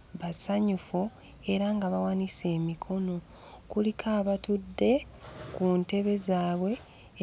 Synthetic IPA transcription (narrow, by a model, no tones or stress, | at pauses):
βasaɲufu | e̞ɾaŋɡaβawanise̞ːmikʰo̞no̞ | kulikʰaːβatudːe̞ | kunte̞βe̞zaːβwe̞